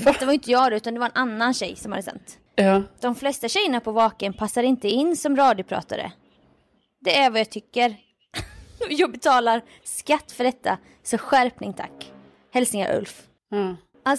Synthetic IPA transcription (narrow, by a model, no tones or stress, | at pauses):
d̪ɛt̪ːavaɾʏnt̪əjɑːɡɾʉ̟t̪and̪ɛvaɾɛnʔanːanɕɛjːsɔmha̰d̪ːəsɛ̰nt̪ː | d̪̥ɔmflɛst̪aɕɛjːəɳapʰɔvɑːkənpʰasːaɾɪnt̪əɪnːsɔmɾɑːd̪jʊpʰɾɑ̰ːt̪a̰ɾə̰ | d̪ɛæɾvajɑːt̪ʰʏkːəɾ | jɑːɡbɛt̪ʰɑːlaɾ | skat̪ːfœɖɛt̪ʰːa̰ | sɔɧæɾpnɪŋt̪ʰa̰kː | hɛlsɪŋaʔɵ̰lf | ʔa